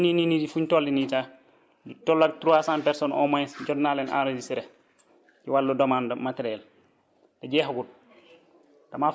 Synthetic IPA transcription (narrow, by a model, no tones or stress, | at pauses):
nininidifuɲtɔldinita | ditɔlːatɾuasãːmpɛɾsɔnɔ̰majd͡ʒɔdnalɛna̰ɾodisiɾɛ | ɟiwalːɔdɔmandamateɾɛl | d̥ɐɟɛːɦaɡud̚ | d̥ama